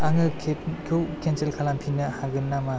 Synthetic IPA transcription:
aŋɯkʰkʰowkʰenselkʰalampʰinɯhaɡɯnːama

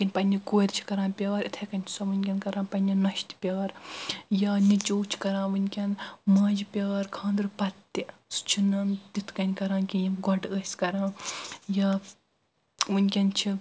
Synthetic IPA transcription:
kʲinʲpɐnʲikoːɾʲt͡ʃʰi̥kɐɾãːnpʲaːɐɾit̪ʰɐkɐnʲt͡ʃʰu̥sɐʋɨnʲkʲɐnkɐɾãːnpɐnʲinɐʃt̪pʲaːɐɾjaːnit͡ʃoːt͡ʃʰi̥kɐɾãːʋɨnʲkʲɐnmaːd͡ʒipʲɐːɐɾkʰãːnd̪ɨɾpɐt̪ːisu̥t͡ʃʰinɐnd̪it̪ʰkɐnʲkɐɾãːnkʲijiɡɐɖəːsʲkɐɾãːjaː | ʋɨnʲkʲɐnt͡ʃʰi

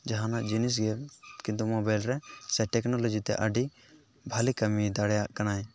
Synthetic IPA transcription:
d͡ʒaɦanaʔd͡ʒinis̬ɡɛkĩnt̪umɔbajlɾɛsɛʈɛknɔlɔd͡ʒit̪ɛ̰ʔəɖi | bʱalikamid̪aɽɛjaʔkanaj

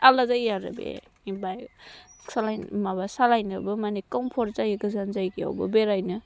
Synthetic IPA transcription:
alazajːaɾɯ̰bḛ | ibajsalajnmabasalajnɯbɯmanekɔmpʰɔɾzajiɡɯzanzajɡia̰wbɯ̰beɾajnɯ

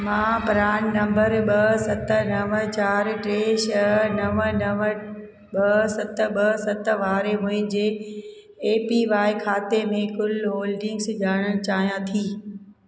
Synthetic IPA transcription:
mãːpɾaːɳnɐ̃mbəɾɓɐsɐt̪ənɐʋət͡ɕaːɾʈɾeːʃnɐʋənɐʋə | ɓɐsɐt̪ɓɐsɐt̪ʋaːɾemʊ̃ɦɪ̃nd͡ʑeː | piʋaːɪkʰaːt̪emẽkʊlɦoːlɖɪ̃ŋɡsd͡ʑaːɽ̃əɽ̃t͡ɕaːɦijãt̪ʰiː

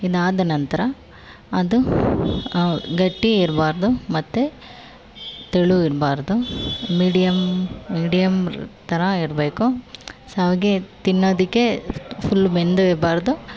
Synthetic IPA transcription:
id̪aːd̪ɐnɐnt̪ɐɾɐ | ɐd̪u | ɡɐʈːiiɾbaːɾd̪umɐt̪ːu | t̪eɭuiɾbaːɾd̪umiːɖijɐmːiːɖijɐmt̪ɐɾɐiɾbeːkusɦɐɡet̪inːoːd̪ikːepʰulːbe̞nd̪uiɾbaːɾd̪u

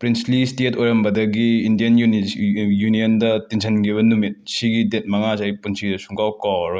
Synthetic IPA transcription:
pɾinslistetojɾɐmbɐdɐɡiindijɐn | junijɐndɐtinsʰɐnɡiβɐnumit̚siɡidet̚mɐŋazaipunsidɐsuŋkawkawɾoj

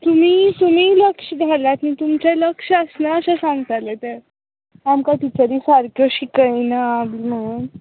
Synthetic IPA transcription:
t̪um̤iːt̪um̤iːləkʂəd͡zʱalat̪miːt̪umt͡ɕeləkʂəsnaəɕãsãŋɡt̪alet̪əɾ | amkaʈit͡ɕəɾiːsaɾkʰjoɕikəjnaːb̪ilm̤əɽ̃uːn

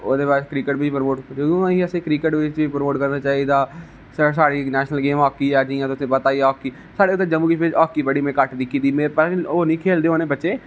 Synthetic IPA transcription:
oːd̪eːpaːɾskɾiːkəʈʋɪt͡ʃpəɾmoːʈd͡ʒəd̪õːiːəsẽːkɾiːkəʈʋɪt͡ʃipɾmoːʈkəɾnãːt͡ʃaːɦid̪aː | səsaːɽiːnɛːʃnəlɡeːmɔːkːiːɛːd͡ʒiːjãːt̪ʊsĩːpət̪aːieɔːkːiː | saːɽeːʊt̪̬ːəd͡ʒəmuːkɪt͡ʃbɪt͡ʃɔːkːiːbəɽiːmẽːkəʈd̪ikʰːid̪iːmeːpəɾoːnĩːkʰeːld̪eːoːnẽːbətːʃeː

